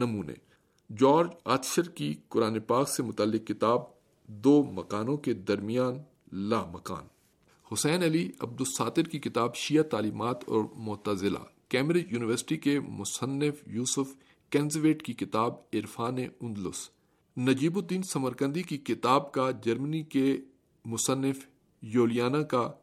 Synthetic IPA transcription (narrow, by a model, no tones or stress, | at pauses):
nɐmuːnḛː | d͡ʒɔːɾd͡ʒa̰ːt̪ʃəɾkikʊɾaːnepaːksemʊt̪aːlːɪqːɪt̪aːb̚ | d̪oːmɐkaːnõked̪ɐɾmijaːn | laːmɐka̰ːn | hʊsɛːnɐliɐ̰b̚d̪ʊsaːt̪ɪɾkikɪt̪aːbʃijat̪aːliːmaːt̪ʰɔ̰ːɾmʊt̪əzɪla̰ːkɛːmɾeːd͡ʒjuːnɪʋəɾsɪ̥ʈikemʊsənːɪfjuːsʊf | kɛːnzʋeːʈkikɪt̪aːbɪɾfaːneʊ̃nd̪lʊ̰s | nɐd͡ʒiːbod̪iːnsɐməɾkə̃nd̪ikikɪt̪aːbkad͡ʒɐɾmənike | mʊsənːɪf | joːlijaːnaka